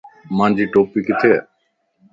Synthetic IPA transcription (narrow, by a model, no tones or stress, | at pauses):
mãːnd͡ʒiːʈoːpiːkɪt̪ʰe